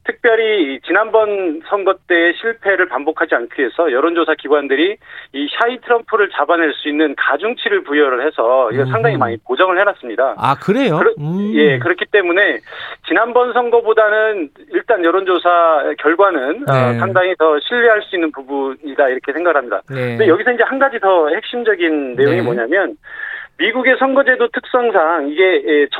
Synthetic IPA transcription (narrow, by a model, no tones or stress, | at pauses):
tʰɯk̚p͈jʌɾiːt͡ɕinanbʌnsʰʌŋɡʌt͈e̞ːɕʰiɭpʰe̞ɾɯɭpambokʰad͡ʑiankʰie̞sʰʌjʌɾond͡ʑosʰakiɡwandɯɾiiɕʰaitʰɯɾʌmpʰuɾɯɭt͡ɕabaneɭs͈uinːɯnkad͡ʑuŋt͡ɕʰiɾɯɭpujʌɾɯɭhe̞sʰʌiɡʌsʰaŋdaŋimaɲipod͡ʑʌŋɯɭhenas͈ɯmɲidaakɯɾejoɾʌje̞kɯɾʌkʰit͈e̞mune̞t͡ɕinanbʌnsʰʌŋɡʌbodanɯniɭt͈anjʌɾond͡ʑosʰakjʌɭɡwanɯnʌsʰaŋdaŋitʌɕʰiʎːiɦaɭs͈uinːɯnpubuɲidaiɾʌkʰe̞sʰeŋɡaɡɯɭɦamɲida̰ejʌɡisʰʌind͡ʑe̞hanɡad͡ʑitʌhe̞k̚ɕ͈imd͡ʑʌɡinːe̞joŋimoɲamjʌnmiɡuɡe̞sʰʌŋɡʌd͡ʑe̞dotʰɯk̚s͈ʌŋsʰaŋiɡe̞t͡ɕ